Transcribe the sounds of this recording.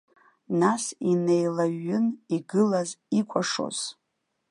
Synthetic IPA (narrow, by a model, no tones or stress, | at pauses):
nasinejlaɥːʏniɡɨlazikʷʼaʂo̞̰z̥